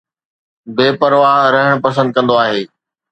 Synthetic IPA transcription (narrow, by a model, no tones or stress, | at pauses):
beːpɐɾʋaːɦɾɐɦəɽ̃pɐs̬ə̃nd̪̚kɐ̃nd̪oaːɦeː